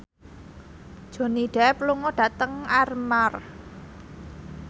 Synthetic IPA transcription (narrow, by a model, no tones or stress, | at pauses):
d̥ʒ̥o̤niɖ̥ɛpluŋɔɖ̥ä̤t̪əŋarmar